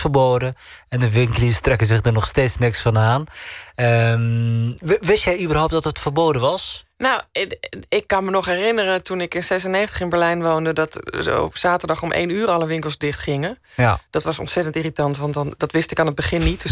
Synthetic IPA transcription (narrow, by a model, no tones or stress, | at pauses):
fərboːdəɛndəʋɪŋkəlistrɛkəzɪχdərnɔχsteːtsnɪksfɔnaːnə | ʋɪstjɛjybərɦowp̚tdɔtətfərboːdənʋɑsnaw | ɪkːɑnmənɔχɦɛrɪnərətunɪkɪnsɛsəneːxəntəχɪnbɛɹlɛjnʋowndədɑtɔ̰psaːtəɹdɑχɔmʔḛjnyːrɑləʋɪŋkəlˠzdɪχtχɪŋə | d̥ɑtʋɑsɔ̰ntsɛtəntiritɑntʋɑntndɑtʋɪstɪkaːnət̚bəχɪnːitd